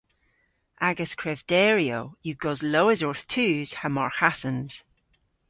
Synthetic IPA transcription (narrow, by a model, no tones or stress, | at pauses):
aɡəskʰɹ̥ɛvd̥ɛːɹio̰juɡɔzloʊɪzɔɹθtʰʉːz̥həmɔɹhasə̃nz̥